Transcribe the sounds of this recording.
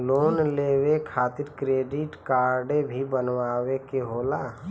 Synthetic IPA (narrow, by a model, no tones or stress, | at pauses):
loːnleːwekʰaːt̪ɪɾkɾeːɖɪʈkaːɾɖẽbʱibənwaːwekeɦoːlaː